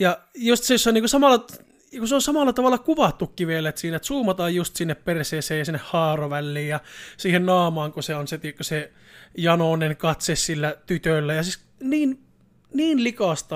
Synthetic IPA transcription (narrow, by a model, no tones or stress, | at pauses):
jɑjust̪sesːɑniːŋkusɑmɑlːɑ | jɑkuseonsɑmɑlːɑt̪ɑʋɑlːˑɑkuʋɑt̪ːukːiʋielːet̪siːnet̪suːmɑt̪ɑːjjust̪sinːepperseːseːjɑsinːehhɑːroʋælːiːjjɑsiːhennɑːmɑːŋkuseonset̪ikkːuse | jɑnonenkɑt̪sessilːæt̪yt̪ølːæjɑsis | niːn | niːnlikɑst̪ɑ